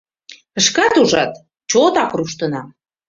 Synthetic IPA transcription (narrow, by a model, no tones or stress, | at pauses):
ə̆ʃkɑt̪uʒɑt̪ | t͡ɕot̪ɑkruʃt̪ə̆nɑ